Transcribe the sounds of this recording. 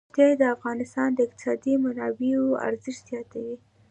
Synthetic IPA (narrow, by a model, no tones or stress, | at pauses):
t̪jad̪əafɣɑnɪst̪ɑnd̪əɪq̚t̪ɪ̥sɑd̪imanɑbeoa̰ɾzɪʃt̪zjɑt̪awi